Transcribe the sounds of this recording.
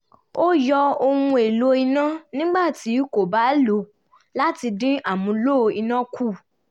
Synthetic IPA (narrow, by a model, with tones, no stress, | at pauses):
o˦jɔ˧o˧hũ˧e˨lo˧i˧nã˦nĩ˦ɡ͡ba˦˨ti˨˦ko˨ba˨˦lu˨˦ | la˦ti˧dĩ˦ʔa˦˨mũ˧lo˦˧i˧nã˦kʰu˦˨